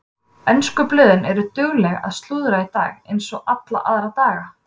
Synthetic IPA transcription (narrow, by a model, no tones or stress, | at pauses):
ɛnskʏplɪːðɪnɛɾʏt̪ʏɣlɛɣa̰ðst̪luːðɾait̪a̰ːɣejnsɔɣat̪la̰ʔaðɾat̪aːɣa